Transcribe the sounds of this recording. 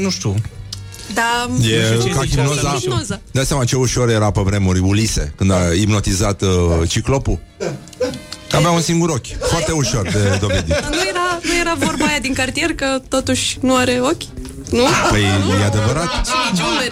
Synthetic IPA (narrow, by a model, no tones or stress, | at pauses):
nuʃt̪u | d̪ajekaɡʲimnozanozad̪at̪sʲjamat͡ʃe̞uʃo̞ɾjeɾapəvɾe̞muɾʲulise̞̰kɨnd̪aipno̞t̪izat̪t͡ʃiklo̞pu | avaunsiŋɡuɾokʲfoart̪euʃo̞rd̪e̞d̪o̞ved̪inujeɾanujeɾavo̞rbaajad̪iŋkart̪ije̞rkət̪o̞t̪uʃʲnuaɾe̞o̞kʲ | nupəjjead̪e̞vəɾat̪t͡ʃt͡ʃbe